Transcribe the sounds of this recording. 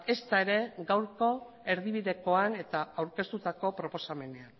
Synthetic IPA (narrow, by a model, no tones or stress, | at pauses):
e̞st̪ae̞ɾe̞ɡawɾko̞ | e̞ɾðiβ̞iðe̞ko̞ane̞t̪aawɾke̞st̪ut̪ako̞pɾo̞po̞same̞ne̞an